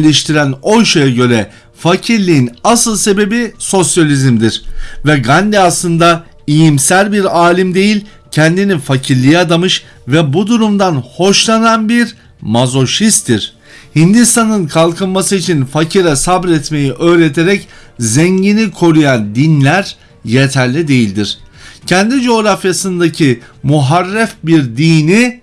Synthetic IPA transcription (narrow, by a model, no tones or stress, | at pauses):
lʲɛʃt̪ʰiɾæno̞jʃajaɟø̞ɾɛ | facʰiɾlʲijinasɯlˠse̞be̞biso̞sjalʲizimd̪iɾ̥vɛɡand̪ɛaslˠɯnd̪a | ijimsælʲbiɾaːlʲimd̪e̞jilʲ | cʰɛnd̪inifacʰiɾlʲijɛad̪amɯʃ | vɛbud̪uɾumd̪anho̞ʃlˠananbiɾ | mazo̞ʃist̪ʰːiɾ̥ | hind̪ist̪ʰanɯnkʰalˠkɯnmasɯit͡ʃʰinfacʰiɾɛsabɾɛt̪me̞jiʔø̞ːɾet̪ʰeɾɛc | zɛɲɟinikʰo̞ɾujand̪inlʲæɾ | jet̪ʰæɾlʲid̪e̞jilʲd̪iɾ̥cʰɛnd̪id͡ʒo̞ːɾafjasɯnd̪acʰimuɦaɾːɛfbiɾd̪iːni